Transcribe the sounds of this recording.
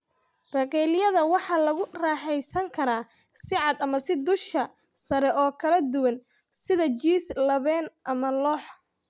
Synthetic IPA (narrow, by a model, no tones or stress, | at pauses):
rɐqɛːlɪjɐðɐwɑħɑːlɐɣʊraːħɛjsɐŋkʰɐɾaː | sɪʕɑd̪ɐmɐsɪd̪ʊʃkɐ | sɐɾɛʔɔːkʰɐlɐd̪ʊwɐn | sɪðɐt͡ʃiːslɐβɛːnʔɐmɐlɔːħ